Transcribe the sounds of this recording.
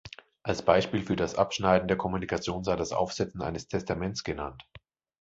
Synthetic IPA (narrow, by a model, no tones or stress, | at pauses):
ʔalsb̥aɪʃpiːlfyːɐdasʔa̰pʃnaɪdn̩deːɐkʰɔmunikʰat͡sjoːnzaɪdasʔa̰ʊfz̥ɛt͡sn̩ʔa̰ɪnəstʰɛstamɛnt͡sɡ̥ənant